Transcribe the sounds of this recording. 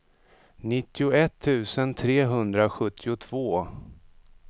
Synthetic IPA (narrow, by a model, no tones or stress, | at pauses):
nɪt̪ːɪʊɛt̪ʰːʉ̟ːsənt̪ʰɾeːɦɵnd̪ɾaɧɵt̪ʰːɪʊt̪ʰv̥oː